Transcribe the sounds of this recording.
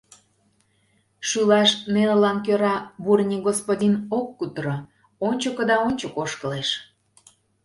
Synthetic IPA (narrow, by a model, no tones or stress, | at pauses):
ʃylɑʃnenəlɑnkøɾɑburnʲiɡospodʲinokːut̪ɾo | onʲt͡ɕəkə̆d̪ɑonʲt͡ɕokoʃkəleʃ